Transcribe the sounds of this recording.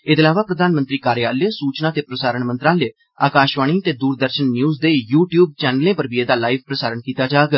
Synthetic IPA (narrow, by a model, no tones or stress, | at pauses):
ɪt̪ɪːlaːʋaːpɾəd̪aːnmənt̪ɾiːkaːɾɪjaːlesuːt͡ʃnaːt̪eːpɾəsaːɾəɳmənt̪ɾaːleː | aːkaːʃʋaːɽ̃iːət̪eːd̪uːɾd̪əɾʃənːjuːzd̪eːjuːʈjuːb̚t͡ʃɛːnəlẽːpəɾbieːd̪aːlaːɪʋpɾəsaːɾəɳkiːt̪aːd͡ʒaːɡ